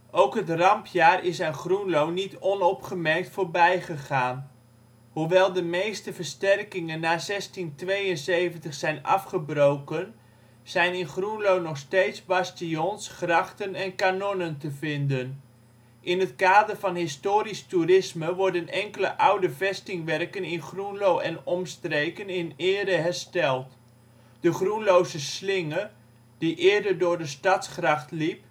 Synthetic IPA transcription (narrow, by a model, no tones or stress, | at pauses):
ʔowkɦətrɑmpʰjaːrɪsaːnχrunlownitɔnɔpχəmɛrk̚tfoːɹbɛjχəχaːn | huʋɛlˠdəmejstəvəɹstɛrkɪŋənːaːzɛstintʋejənsejvəntəχsɛjnɑ̰fχəbrowkən | z̥ɛjnɪnχrunlownɔχstejtsbɑstijɔnsχrɑχtənɛnkanɔnəntəvɪndən | ʔɪnɦətkaːdərvɑnɦɪstoːɾisturɪsməʋɔɹdənɛŋkələ̰ʔawdəvɛstɪŋʋɛrkənɪnχrunlowʔɛnɔmstrejkənɪnɪːɾəɦɛrstɛlˠt | d̥əχrunlowzəslɪŋə | d̥iʔɪːdərdʊːɹdəstɑtskrɑχtlip̚